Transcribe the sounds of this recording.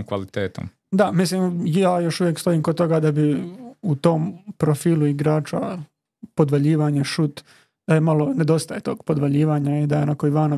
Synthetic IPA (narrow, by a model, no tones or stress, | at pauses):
kʋa̰lit̪eːt̪o̰m | d̪amislimjaːjo̞ʃuʋje̞kst̪o̞iːmkod̪̚t̪o̞ɡad̪abiut̪o̞ːmpɾofiːlˠuiɡɾaːt͡ʃa̰ | pod̪ʋaʎiːʋaɲeʃut̪ | d̪̥ajemalone̞d̪o̞st̪aje̞t̪o̞ːɡpod̪ʋaʎiːʋaːɲaid̪ajonakoiʋaːno